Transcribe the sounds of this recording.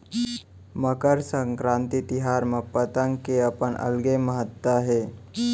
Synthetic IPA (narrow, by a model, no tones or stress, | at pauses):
məkəɾsəŋkɾãnt̪it̪iɦaɾməpət̪əŋɡkeəpənʔə̰lɡeməɦət̪wəɦe